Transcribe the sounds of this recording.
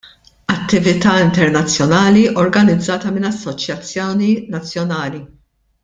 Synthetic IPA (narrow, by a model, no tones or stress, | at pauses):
ɐt̪ːɪvɪt̪ɐːɪnt̪ɛɾnɐt͡sːjɔnɐːliʔɔɾɡɐnɪd͡zːɐːt̪ɐmɪnɐsːɔt͡ʃjɐt͡sːjɔːninɐt͡sːjɔnɐːli